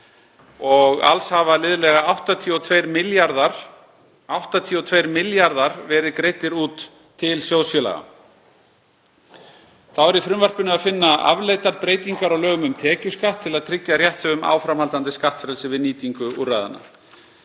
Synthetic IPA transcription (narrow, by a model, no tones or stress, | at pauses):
ɔɣa̰lshavalɪðʏlɛɣaawht̪at̪ʰiɔt̪ʰvejɾmɪljaɾðaɾ | awht̪at̪ʰiːɔt̪ʰvejɾmɪljaɾðaɾvɛːɾɪðɪkɾeːjt̪ɪɾuːt̪ʰː | ɪlsjowsfjɛla̰ɣa̰ | θawɛɾifɾʏmvar̥pʏnʏaðfɪnːaa̰vleːjt̪aɾpɾeːjt̪iŋkaɾawlœːɣʏmʏmt̪ʰɛːcʏskaht̪ʰːɪlaðt̪ʰɾɪcjarjɛht̪sɛʏma̰ːwfɾamhalt̪ant̪ɪskaht̪fɾɛlsɪvɪðniːt̪iŋkʏurːajða̰nːa̰